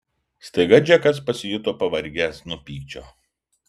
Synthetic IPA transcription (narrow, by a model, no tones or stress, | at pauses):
st̪ɐɪɡɐd͡ʒʲɛkɐs̬pɐsʲɪjʊt̪oːpɐʋɐɾʲɡʲæːsnʊpʲiːkt͡ʃʲo̰ː